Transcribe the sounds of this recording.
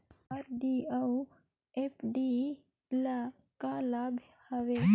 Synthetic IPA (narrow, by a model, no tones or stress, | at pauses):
aɾɖiau | epʰɖi | la | kalabʱ | həʋe